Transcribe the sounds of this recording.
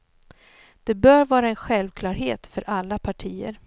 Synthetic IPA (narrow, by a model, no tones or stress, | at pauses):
d̪̥ɛbœːɾvɑːɾaɛnɧɛlvkʰlɑːɾɦeːt̪fœɾʔalːapʰaʈʰiːə̰ɾ